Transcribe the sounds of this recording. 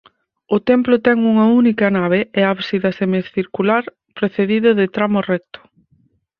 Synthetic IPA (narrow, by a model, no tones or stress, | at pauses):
ʊt̪ɛmplʊt̪ɛŋuŋɐunikɐnaβ̞eɛaβsiðɐsemeθiɾkulaɾ | pɾeθeðiðʊðɪt̪ɾamorɛk̚t̪ʊ̥